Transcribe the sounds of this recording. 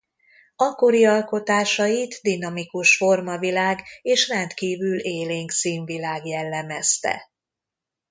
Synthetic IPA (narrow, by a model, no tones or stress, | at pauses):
ɒko̞ɾiɒlko̞t̪aːʃɒjit̪d̪inɒmikuʃfo̞rmɒvilaːɡeːʃrɛnt̪kiːvyleːleːŋksiːɱvilaːɡjɛlːɛmɛst̪ɛ̰